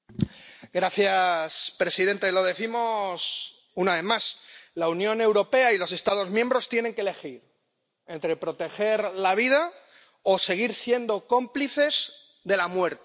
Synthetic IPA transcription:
ɡɾaθjaspɾe̞siðe̞nt̪elo̞ð̞e̞θimo̞s | unaβe̞maslaunjõ̞ne̞wɾo̞pe̞ailo̞se̞st̪að̞o̞zmjẽ̞mbɾo̞st̪je̞ne̞ŋkele̞xiɾ | e̞nt̪ɾe̞pɾo̞t̪e̞xe̞ɾlaβ̞ið̞a | o̞se̞ɣ̞iɾsje̞nd̪o̞ko̞mpliθe̞z | ðe̞lamwe̞ɾt̪

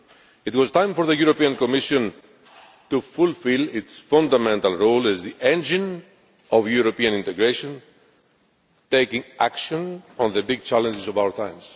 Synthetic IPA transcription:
it̪wɔzt̪ãj̃mfoɾðəjuɾopiãnkomiʃõn | t̪ufulfilitsfãnd̪amɛ̃nt̪alɹolɛzðiʔẽnd͡ʒĩn | ɔvjuɾopiãnĩnt̪eɡɾeʃõn | t̪ejkĩŋʔakʃõnɔ̃nðəbiɡ̚t͡ʃalə̃nd͡ʒɪzovawə˞t̪ãj̃mz̥

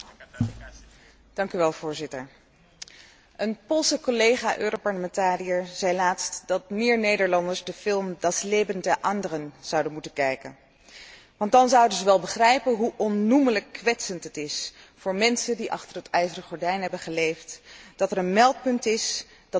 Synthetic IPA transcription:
d̥ɑŋkyʋɛlˠv̥ʊːɹzɪtəɹ | ʔənpolˠsəkolejχaːʔøːropɑɹləmɛntaːriəɹz̥ɛjlaːtstd̥ɑt̚mɪːɹnejdəɹlɑndəɹzdəfɪlˠmdɑslejbəndəʔɑndərənz̥ɑwdənmutənkɛjkə̰n | ʋɑntdɑnzʌwdəzəʋɛlˠbəχrɛjpənɦuʔɔnːumələkːʋɛtsəntɦətɪs | fʊːɹmɛnsəndiʔɑ̰χtərɦətɛjzərəχɔɹdɛjnɦɛbənχəlejftd̥ɑtɛɾənmɛlˠt̚pɵntɪsd̥ɑ

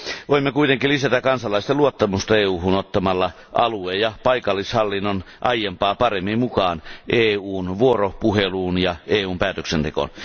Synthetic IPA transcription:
ʋoimːekuit̪eŋkilisæt̪ækkɑnsɑlˑɑist̪eluot̪ːɑmust̪ɑeːuːhunot̪ːɑmɑlːɑ | ʔɑlueːjjɑpɑikɑlːishɑlːinːon | ʔɑjempɑːpɑremːimmukɑːnʔeːuːnʋuoropuheluːnjɑeːuːmpæːt̪øksent̪eko̰n

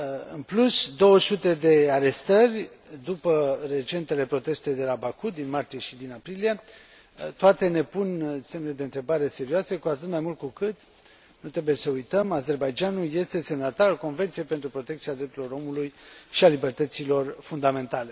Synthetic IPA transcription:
ɨnplusd̪o̞wəsut̪e̞d̪e̞aɾe̞st̪ərʲ | d̪upəre̞t͡ʃe̞nt̪e̞le̞pɾo̞t̪e̞st̪e̞d̪e̞labakud̪inmart̪ije̞ʃid̪inapɾilije̞ | t̪oat̪e̞ne̞punse̞mned̪e̞ɨnt̪ɾe̞baɾe̞se̞ɾioase̞kuat̪ɨt̪majmult̪̚kukɨt̪ | nut̪ɾe̞buje̞səujt̪əmaze̞rbajd͡ʒanulje̞st̪e̞se̞mnət̪aɾalko̞nve̞nt̪sije̞jpent̪ɾupɾo̞t̪e̞k̚t̪siad̪ɾep̚t̪uɾilo̞ɾo̞mulujʃialibe̞rt̪ət̪silo̞rfund̪ame̞nt̪ale̞

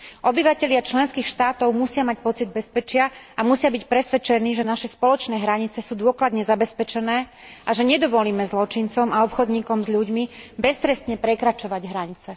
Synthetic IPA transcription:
ʔɔbiʋacɛʎɪat͡ʃlɛnskiːxʃt̪aːt̪ɔʊmusɪamac̚pɔt͡sid̪̚bɛspɛt͡ʃɪaamusɪabicpɾɛsʋɛt͡ʃɛniːʒɛnaʃɛspɔlɔt͡ʃnɛːɦɾaɲit͡sɛsuːd̪ʊɔklad̪ɲɛzabɛspɛt͡ʃɛnɛːʔaʒɛɲɛd̪ɔʋɔliːmɛzlɔt͡ʃint͡sɔmaɔpxɔd̪ɲiːkɔmzʎuɟmibɛst̪ɾɛst̪ɲɛpɾɛkɾat͡ʃɔʋaɟɦɾaɲit͡sɛ

